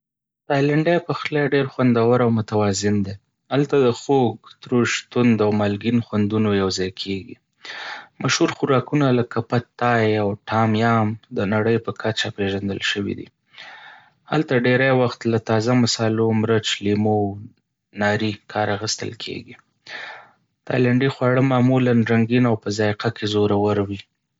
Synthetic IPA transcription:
t̪ɑjlaɳɖajpəxlaɖeɾxwand̪awaɾawmʊt̪awɑzɪnd̪e | halt̪ad̪əxoɡt̪ɾoʃt̪ʊnd̪awmalɡinxwand̪unojawzɑjkʰeɡḭ | maʃhuɾxʊɾɑkunalakapat̪ɑjawʈʰɑmjɑmd̪ənaɽəjpəkʰat͡ʃapeʒand̪əlʃəwḭd̪ḭ | ha̰lt̪aɖeɾajwaxt̪lat̪ɑzamasɑlomɾət͡ʃlimo | nɑɾikʰɑɾaxəst̪ə̰lkʰḛɡi | t̪ɑ̰jlaɳɖixwɑɽəmɑmulanɾaŋɡinawpəzɑjqakʰezoɾawəɾwi

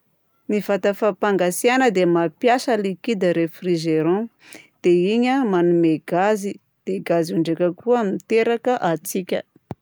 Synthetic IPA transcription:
nivat̪əfapaŋɡasianəd̪emapjasəlikid̪əɾefriʒeɾɔ̃ | d̪̥eiɲəmanumeɡ̥azi | d̪̥eɡaziuɳɖ͡ʐakəkuamit̪eɾakəʔat͡sikʲə̰

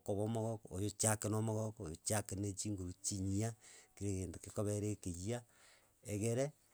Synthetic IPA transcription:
koβomoɣokojot͡ʃakenomoɣokːjot͡ʃakenet͡ʃiŋɡuɾut͡ʃiɲiakiɾeɣeːntokikoβeɾekejia | eɣeɾe

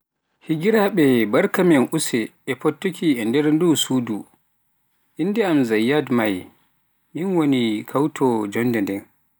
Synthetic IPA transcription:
hiɡiɾaɓɛbaɾkamɛnʔusɛɛpɔtːukʰiɛndɛɾndusudu | ʔinːdɛamzajːadmaj | ʔinwonikʰawtʰɔd͡ʒɔndɛndɛn

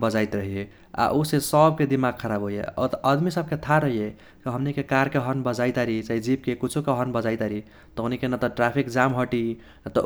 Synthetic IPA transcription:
bəd͡ʒajt̪ɾəɦie | a̰ʔusesəbked̪imaɡ̚kʰəɾabɦojḛt̪əd̪misəb̚ket̪ʰaɾəɦije | kiɦəmnikekaɾkeɦənbəd͡ʒaɪt̪aɾit͡ʃaɦid͡ʒib̚kekut͡ʃʰukeɦənbəd͡ʒajt̪aɾi | t̪oɦnikenət̪ɔʈɾapʰikd͡ʒamɦəʈi | t̪ɔ

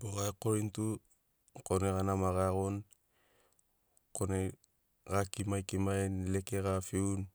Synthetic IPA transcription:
boɣakoɾintu | koneɣanamaɣaɣon | kone | ɡakimajkimajnlekeɣafiun

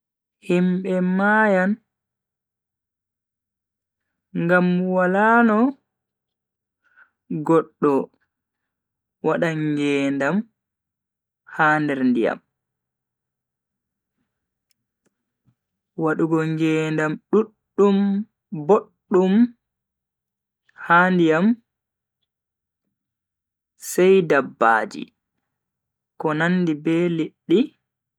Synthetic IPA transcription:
himɓɛmajan | ŋɡamwalanɔ | ɡɔɗːɔ | waɗaɡɛːndam | haːndɛɾndija̰m | waɗuɡɔŋɡɛːndamɗuɗːum | boɗːum | haːndijam | sɛjdabːa̰ːd͡ʒḭ | kɔnanːdibɛːliɗːi

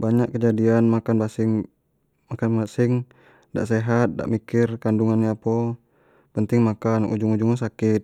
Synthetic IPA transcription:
baɲakkəd͡ʒadianmakanbasɪŋ | makanmasɪŋ | da̰ʔseɦat̪̚da̰ʔmikɪrkanduŋanapɔ | pənt̪ɪŋmakanṵd͡ʒuŋud͡ʒuŋasakɪt̪̚

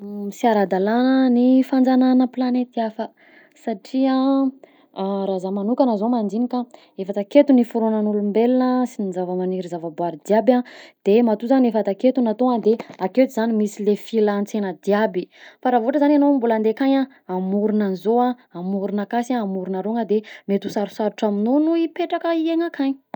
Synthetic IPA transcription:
siaɾad̪alanənifand͡zananəplanet̪iafə | saʈ͡ʂia | ɾazamanukanəzomand̪inikʲa | efat̪aket̪unifuɾonənulumbelinəsinizavəmaniɾizavəbuaɾid̪iabʲad̪̥emat̪uzaniefat̪aket̪unat̪oŋad̪eakewt̪izanimisilefilant͡senəd̪iabifaɾavoʈ͡ʂəzananombuland̪ekaɲa | amuɾunanzoa | amuɾunakasaːmuɾunaɾoŋəd̪emet̪usaɾusaɾuʈ͡ʂaminonuipeʈ͡ʂakəieŋakʰaɲ

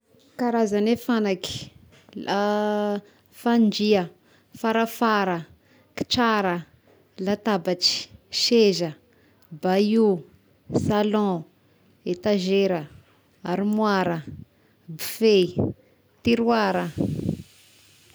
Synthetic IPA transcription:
kaɾazanefanaki̥ | la | fand͡ʒiə | faɾafaɾə | ki̥ʈ͡ʂaɾə | lat̪abat͡ʃi̥ʃezə | baju | salɔ̃ | et̪aʒeɾə | aɾimwaɾə | bufe | t̪iɾwaɾə

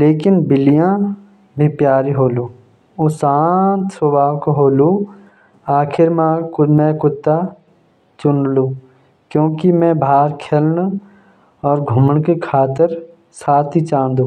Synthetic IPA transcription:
leːkɪnbɪlijã | bʱipjaːɾiɦoːluː | ʊsaːt̪sobaːʋkoɦoːlu | aːkʰɪɾmãkmɛ̃kʊt̪ːa | t͡ʃʊnluː | kjõːkimɛ̃bʱaːɾkʰeːln | ɔːɾɡʱʊməɳkekʰaːt̪əɾ | saːt̪ʰit͡ʃãːnd̪ũː

